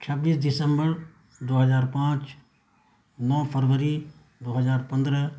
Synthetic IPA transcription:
t͡ʃʰəbiːsd̪ɪsəmbəɾ | d̪oːɦəzaːɾpãːt͡ʃ | nɔːpʰəɾʋəɾi | d̪oːɦəzaːɾpə̃nd̪ɾə

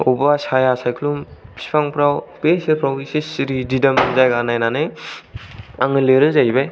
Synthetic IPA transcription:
ɔbasajasajkʰlumpʰi̥spʰaŋpʰɾawpesɯɾpʰɾɔbisisiɾididamzajɡanajnanɯ | aŋɯleɾɯzajbaj

